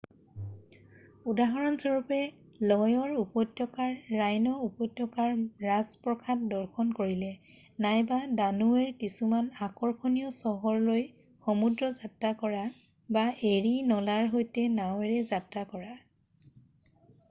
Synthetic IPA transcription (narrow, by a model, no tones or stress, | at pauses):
udaɦɔɹɔnsɔɹupɛ | lɔjɔɹupɔjtjɔkaɹːajnɔupɔjtjɔkaɹɹazpɹɔkʰat̚dɔɹkʰɔnkoɹilɛ | najbadanuɛɹkisumanakɔɹkʰɔnijɔsɔɦɔɹloj | xɔmudɹɔzatːakɔɹa | baʔeɹinɔlaɹɦojtɛnawɛɹɛzatɹakɔɹa